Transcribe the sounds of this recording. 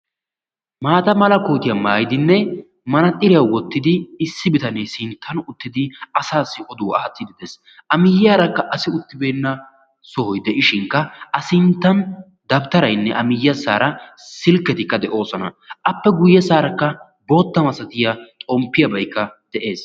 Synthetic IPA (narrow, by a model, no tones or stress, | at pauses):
maːt̪ɐmɐlɐkoːt̪ɪjɐmaːjɪd̪ɪnːɛ | mɐnɐt̪ʼːɪɾɪjɐwwɔt̪ːɪd̪ɪɪsːɪbɪt̪ɐnesɪnt̪ʰːɐnʊt̪ːɪd̪ɪɐsaːsːɪʔɔd̪uwɐɐt͡s̪ːɪd̪ɪd̪es | ɐmɪjːaːɾɐkːɐʔɐsɪʊt̪ːɪbe̞ːnːɐ | sɔhɔjd̪ɛʔɪʃɪŋkːɐɐsɪnt̪ːɐn | d̪ɐbt̪ɐɾɐjnːɛʔɐmɪjːɐsaːɾɐsɪlkːɛt̪ɪkːɐd̪ɛʔo̞ːsɔnɐ̰ | ɐpːɛɡʊjːɛsaːɾɐkːɐ | bo̞ːt̪ːɐmɐsɐt̪ɪjatʼɔmpːɪjɐbɐjkːɐd̪̥ɛʔe̞ːs